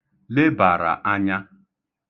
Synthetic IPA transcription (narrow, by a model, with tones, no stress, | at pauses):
le˦ba˨ɾa̰˨ʔa˦ɲa˦